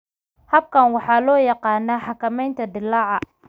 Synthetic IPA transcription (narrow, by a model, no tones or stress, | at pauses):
hɐb̚kʰɐnwɑħɑːlɔːjɑqɑːnaːħɑkʰɐmɛjnt̪ʰɐd̪ɪlaːʕɑ